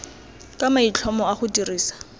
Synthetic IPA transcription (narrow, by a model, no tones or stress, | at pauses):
kʼamait͡ɬʰɔmɔaχʊtʼiriːsḁ